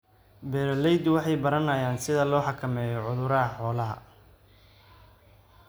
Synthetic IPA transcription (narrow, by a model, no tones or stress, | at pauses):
bɛːɾlɛjd̪wɑħɑjbɐɾɐnɐjaːnsɪðɐlɔːħɑkʰɐmɛːjɔʕʊðʊɾɐɦɐħɔːlɐɦɐ̰